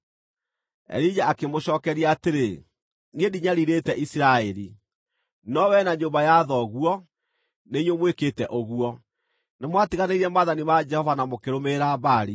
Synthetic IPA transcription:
ɛ̰ɾid͡ʒaːkemoɕɔːkɛɾiaːteɾe | ŋediɲaɾiɾetɛʔisiɾaɛɾi | nɔwɛnaɲoːmbajaðɔɣuɔ | neiɲomweketɛʔoɣuɔ | nemwatiɣaneiɾɛmaðanimad͡ʒɛhɔvanamokeɾomeɾabaɾi

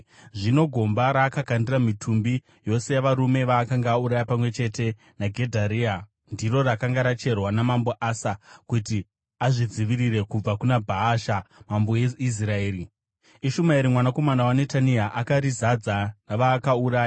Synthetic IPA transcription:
ʐino̞ɡʱo̞mbaɾaːkakandiramitʰumbi | jo̞se̞jaʋaɾume̞ʋaːkaŋɡaːuɾajapamwe̞t͡ʃe̞te̞ | naɡʱe̞dʱaɾiːa | ndiro̞rakaŋɡaɾat͡ʃe̞rwanamambo̞ʔasakuti | aʐid͡ziʋiɾiɾe̞kub͡vakunabʱaːʃamambo̞je̞is̬rae̞ːɾi | iʃumaiɾimwanako̞manawane̞taniaʔakaɾizad͡zanaʋaːkauɾaːja

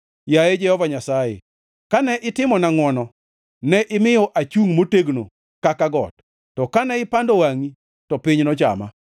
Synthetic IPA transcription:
jajed͡ʒɛhɔvaɲasajḛ | kanɛʔɪtɪmɔnaŋwɔnɔ | nɛʔɪmɪjɔʔat͡ʃuŋmoteɡno̰ | kakaɡɔ̰t̚ː | ɔkanɛɪpandowaŋi | tɔpɪɲnɔt͡ʃa̰ma̰

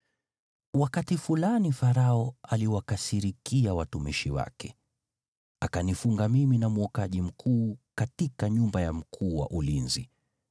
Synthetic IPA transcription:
wakatifulanifaɾaɔaliwakasiɾikiawatumiʃiwa̰kɛ | akanifuŋɡamiminamɔkaʄim̩kʰuːkatikaɲumbajam̩kʰuːwa̰ʔulinzi

